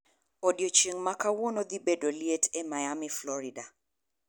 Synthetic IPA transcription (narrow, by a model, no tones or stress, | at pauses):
odjot͡ʃeŋmakawonod̪ibedolietʰɛmajamiflɔɾida